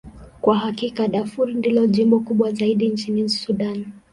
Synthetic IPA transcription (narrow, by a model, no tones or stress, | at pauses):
kwaɦakikaɗafuɾindilɔʄimbɔkuɓwazaiɗint͡ʃinisuɗan